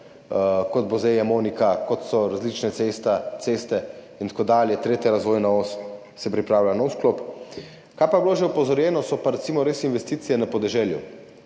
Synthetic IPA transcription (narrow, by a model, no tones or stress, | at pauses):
kɔd̪̚bozejamoːnikakɔt̪sɔɾazlit͡ʃnɛt̪est̪asest̪ɛ | int̪kod̪aːljɛt̪ɾeːt̪jaɾazʋoːjnaos | sɛpɾipɾaːwlʲanɔwsklop | kajpabiloːʒɛupɔzɔɾjɛːnɔsɔpaɾɛt̪simɔɾeːsinʋɛst̪iːt̪sijɛnapɔd̪ɛʒɛːljṵ